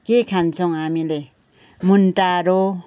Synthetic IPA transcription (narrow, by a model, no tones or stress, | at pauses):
kekʰant͡soŋamile | munʈaɾo